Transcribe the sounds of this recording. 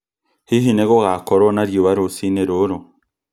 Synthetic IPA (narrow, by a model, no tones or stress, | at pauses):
hiɦineɡoɡakoɾonaɾjuβaɾusineɾoɾo